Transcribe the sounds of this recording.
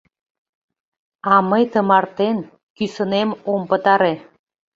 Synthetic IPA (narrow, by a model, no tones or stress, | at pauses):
ɑməjt̪əmɑrt̪en | kysənemompə̆t̪ɑɾe